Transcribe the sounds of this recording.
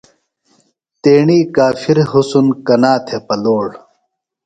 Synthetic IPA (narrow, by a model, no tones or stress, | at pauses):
t̪eːɳiːkaːfiɾɦusunkɐnaːt̪ʰepɐloːɽ